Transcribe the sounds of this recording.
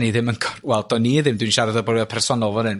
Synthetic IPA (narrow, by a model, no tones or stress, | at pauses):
niðɪməŋkʰɔrwɛlˠdʰɔniðɪmdwɨnʃaɾəðɔbɔɾjɔpʰɛrsɔnɔlˠvɔnɨn